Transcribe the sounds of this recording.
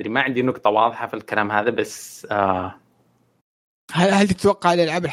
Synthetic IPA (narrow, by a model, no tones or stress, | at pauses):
ɾimaʕɪnd̪inʊkt̪ˤɑwɑːðˤɨħɑfilkalaːmhaːðabasa | halhalt̪ɪt̪wɑqːɑʕlalʕabl